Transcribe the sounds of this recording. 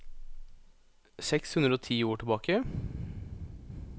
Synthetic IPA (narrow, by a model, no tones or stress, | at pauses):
sɛkshʉnɾəoːt̪ʰiːoːʈɪlbɑːkə